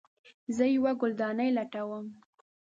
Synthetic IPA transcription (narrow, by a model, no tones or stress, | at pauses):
zəjawaɡʊld̪ɑnəjlaʈawəm